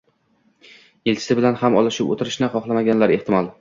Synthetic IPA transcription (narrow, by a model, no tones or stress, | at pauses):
elt͡ʃʰɪ̥sɪbɪlanhamɒ̰lˠɪʃɪpo̰t̪ʰɪɾɪʃnɪχɒχlˠamaɡʲanlaɾe̞ht̪ʰɪmɒlˠ